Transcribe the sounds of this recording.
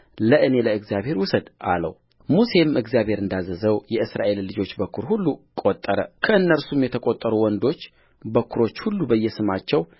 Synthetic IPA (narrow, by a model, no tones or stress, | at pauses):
ləʔɨne̞ləɨɡzjaβhe̞ɾwʊsəd̪ʔa̰lə̰w | muse̞mɨɡzijaβhe̞ɾɨnd̪azːəzəwjɛɨsɾa̰ʔe̞lːɨd͡ʒo̞t͡ʃːbəkʰːuɾhulːukʼo̞t̪ʼːəɾəkʰəɨnːəɾsumjɛt̪ʰəkʼot̪ʼːəɾuwɔnd̪o̞t͡ʃː | bəkʰuɾo̞t͡ʃːhulːubəjːɛsɨmat͡ʃːɛw